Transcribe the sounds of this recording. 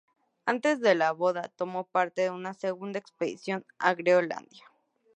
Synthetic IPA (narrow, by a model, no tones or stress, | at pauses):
ant̪e̞zðe̞laβoðat̪omopaɾt̪eðeunaseɣund̪aekspeðḭsjo̞na̰ɣɾeola̰nd̪ja